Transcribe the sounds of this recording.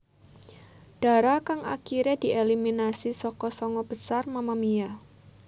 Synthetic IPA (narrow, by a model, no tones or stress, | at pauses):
d̥aɾakaŋʔa̰kiɾɛdiʔeliminasisɔkɔsɔŋɔb̥əsarmamamia